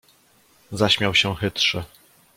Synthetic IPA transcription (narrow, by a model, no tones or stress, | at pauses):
zaɕmʲjawɕɛxɘt̪ʂɛ